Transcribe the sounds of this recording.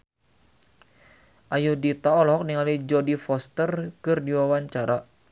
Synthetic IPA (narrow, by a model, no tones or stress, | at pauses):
ʔajudit̪aɔlɔɦɔk̚niŋalid͡ʒɔdifɔst̪ərkɨrdiwawaɲt͡ʃaɾa